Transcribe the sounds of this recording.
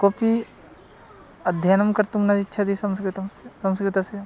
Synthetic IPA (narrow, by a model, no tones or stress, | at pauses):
kopi | ɐd̪ʱjanɐmkɐɾt̪umnɐd͡ʒitːʃʰɐd̪isɐmskɾit̪ɐmsesɐ̃mskɾɪt̪ase